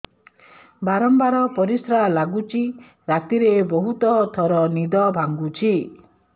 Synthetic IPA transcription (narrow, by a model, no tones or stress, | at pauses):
baɾɔmbaɾɔpɔɾisɾalaɡut͡ʃʰi | ɾat̪iɾebɔɦut̪ɔt̪ʰɔɾɔnid̪ɔbʱaŋɡut͡ʃʰi